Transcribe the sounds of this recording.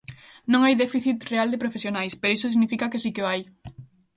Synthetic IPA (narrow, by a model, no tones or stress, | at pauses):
nõŋajðefiθit̪reald̪epɾofesjonajspeɾois̬osiɣnifikakesikeoaj